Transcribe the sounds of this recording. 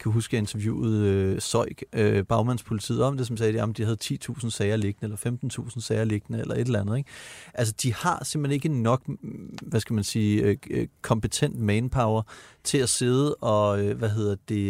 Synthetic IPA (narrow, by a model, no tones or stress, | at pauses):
kʰæɦusɡ̥e̝nt͡sʰɐʋjṵːð̩ˠøsɒ̽ɪ̰ɡ̥øb̥ɑ̈ʊmænspʰo̝lit͡sʰḭð̩̰ˠɒ̽md̥e̝s̬ɒ̽msɛ̥ːjæmnd̥ihæð̞̩ˠt͡sʰḭːt͡sʰṵːsn̩sɛɪɐle̝ɡ̥ənəelɐfemd̥n̩t͡sʰṵːsn̩sɛɪɐle̝ɡ̥ənəelɐe̝d̥elænð̞̩ˠeɡ̥ʔæls̬əd̥ihɑ̈sem̰b̥lene̝ɡ̥e̝nːɒ̽ɡ̥ʋæsɡ̥æmænsiːkʰɒ̽mpet͡sʰen̰d̥mɛnpʰɑ̈ʊɐt͡sʰe̝læse̝ð̞ˠəʔɒ̽øʋæɦe̝ð̞̰ˠɐd̥əd̥e̝